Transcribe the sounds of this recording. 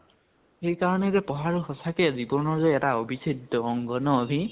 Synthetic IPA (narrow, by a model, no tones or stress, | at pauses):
xejkaɹɔnɛzɛpɔɦaɹuxɔsakɛzibɔnɔɹzɔjɛtaobʱisʰidːɔːŋɡɔnɔːbʱĩ